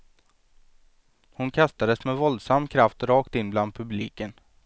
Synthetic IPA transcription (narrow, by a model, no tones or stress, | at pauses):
hʊnkʰast̪ad̪əsmɛvɔld̪samːkʰɾaft̪ɾɑːkt̪ɪnːbland̪̚pʰɵbliːkən